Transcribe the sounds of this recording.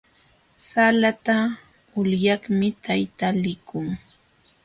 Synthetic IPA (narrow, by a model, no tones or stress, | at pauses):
salat̪a | ʊljɑχmɪt̪ajt̪alɪkʊŋ